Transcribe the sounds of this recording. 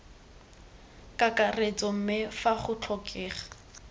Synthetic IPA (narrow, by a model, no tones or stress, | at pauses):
kʼakaret͡sɔm̩mɪfaχʊt͡ɬʰɔkʰʼɛːχḁ